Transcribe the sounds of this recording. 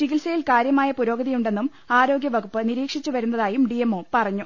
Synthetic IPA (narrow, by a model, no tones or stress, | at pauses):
t͡ɕiɣilsɐjilkaːɾjɐmaːjɐpuɾo̞ːɡɐðijuɳɖe̞nːum | aːɾo̞ːɡjɐʋɐɡupːɨniɾiːkʂit͡ɕːuʋɐɾunːɐðaːjumɖiemːo̞ːpɐrɐɲːu